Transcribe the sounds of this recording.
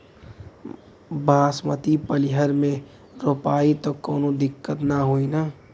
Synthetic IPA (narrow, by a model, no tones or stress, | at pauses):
bʱãːsmət̪ipəlɪɦəɾmẽ | ɾoːpaːit̪okoːnõd̪ɪkːət̪naɦoina